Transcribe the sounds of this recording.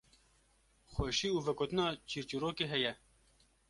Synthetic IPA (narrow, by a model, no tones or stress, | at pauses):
xʷɛʃiːuːvɛkot̪ɨnɑːt͡ʃʰiːɾt͡ʃiɾoːkeːɦɛjɛ